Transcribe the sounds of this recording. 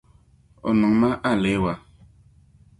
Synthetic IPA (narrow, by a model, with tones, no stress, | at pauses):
ɔ̰˨nɔ˨ŋma˦ʔa˦˨le˨˦wa˨